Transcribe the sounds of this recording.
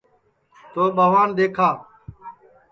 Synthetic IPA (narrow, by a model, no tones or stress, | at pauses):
t̪oːɓaːʋaːnɗ̪eːkʰaː